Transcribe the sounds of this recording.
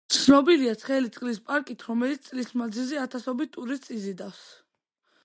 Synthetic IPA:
t̪sʰnɔbiliat̪sʰχɛlit̪sʼqʼlispʼaɾkʼit̪ʰɾɔmɛlit̪st̪sʼlismad̪zilziat̪ʰasɔbit̪ʰʼːuɾit̪sizid̪afs

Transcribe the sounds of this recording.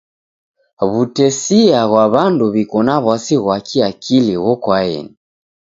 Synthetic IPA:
βutɛsiaɣwaβanduβikɔnaβwasiɣwakʰiakʰiliɣɔkwaɛ̰ni

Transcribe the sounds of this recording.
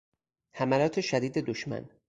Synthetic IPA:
hæmælɒːt̪ʰe̞ʃæd̪iːd̪e̞d̪oʃmæ̰n

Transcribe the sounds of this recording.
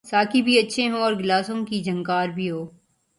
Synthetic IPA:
saːkibʱiɐtːʃʰeɦõɔːɾɡɪlaːsõkid͡ʒɐ̃ŋkaːɾbʱiɦoː

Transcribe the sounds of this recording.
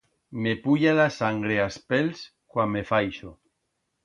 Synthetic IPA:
mepuʎaðasaŋɡɾeaspels | kwamːefajʃo

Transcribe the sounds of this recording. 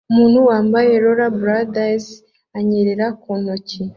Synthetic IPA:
umuːnhuwaːmbajeɾoɾabuɾadas | aɲeɾeɾakonoci

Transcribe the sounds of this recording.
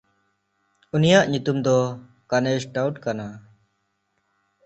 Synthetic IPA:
unijaʔɲut̪umd̪ɔ | kanɛsʈawʈkana

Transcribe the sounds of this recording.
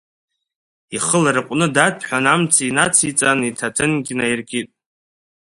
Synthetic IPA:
iχəlaɾɨqʷʼnɨdatʰʼħʷᶣanamt͡sʰinat͡sʰit͡sʼanitʰatʰɨnɡʲnajrɡʲʼitʼ

